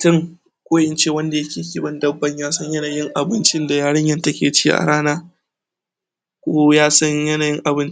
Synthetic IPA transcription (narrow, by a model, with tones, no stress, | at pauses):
tʊ˦ŋ | kʷoː˦ʔɪ˦nt͡ʃeː˦˨wɐ˦nda˨jɐ˦kʲeː˨kʲiː˦bɐ˦ndɐ˦bːɐ˦ɲjaː˦sɐ˦ɲjɐ˦naː˨jɪ˦ŋʔa˨bɪ˦nt͡ʃɪ˦nda˨jaː˦ɽɐ˦ɲjɐ˦ntɐ˦kʲeː˨t͡ʃḭː˦ʔa̰˨ɽaː˦naː˦ | kʷoː˦jaː˦sɐ˦ɲjɐ˦naː˨jɪ˦ŋʔa˨bɪ˦nt͡ʃ